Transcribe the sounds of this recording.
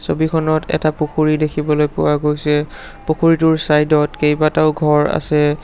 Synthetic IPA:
sobikʰɔnɔtʰɛ̰tapukʰuɹidekʰibɔlojpʊ̰waɡojsɛ | pukʰuɹitʊɹsajdɔtkejbataʊɡʱɔɹa̰sɛ

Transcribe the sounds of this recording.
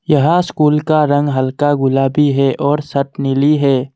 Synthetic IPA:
jɐɦãskuːlkaɾə̃ŋɡɦəlkaɡʊlaːbʱiɦɛʔɔːɾsɐʈ̪nɪliɦɛː

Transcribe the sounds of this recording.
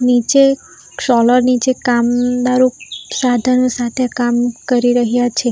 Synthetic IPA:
nit͡ʃe | ʃɔləɾnit͡ʃekamd̪aɾosad̪ʱənosat̪ʰeakamkəɾiɾəɦjat͡ʃʰe

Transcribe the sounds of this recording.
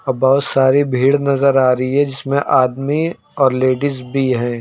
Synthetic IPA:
ɐbaʊt̪saːɾibʱiːɽnɐzəɾaːɾɐɦiɦɛd͡ʒɪsmẽʔaːd̪mi | ɔːɾleːɖɪsbʱiɦɛ̃ː

